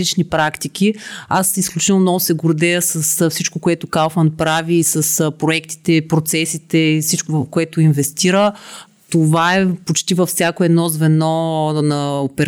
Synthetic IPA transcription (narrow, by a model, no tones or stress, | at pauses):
it͡ʃnipɾakt̪ik̟iasisklʲut͡ʃit̪əlˠmnɔɡʊsɛɡoɾd̪ɛjəsəsfsit͡ʃkokoɛt̪ʊkalˠfənpɾaviːsəspɾoɛkt̪i̥t̪ɛpɾot̪sɛsit̪ɛifsit͡ʃkovfkoɛt̪ʊinvɛst̪iɾə | t̪ovaɛpot͡ʃt̪ivɐfsʲjakoɛd̪nɔzvɛnɔnɐopɛɾ